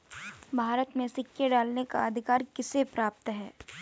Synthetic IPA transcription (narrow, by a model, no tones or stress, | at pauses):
bʱaːɾət̪mẽsɪkjeɖaːlneka̰ɐd̪ʱɪkaːɾkɪsepɾaːp̚t̪ɦɛː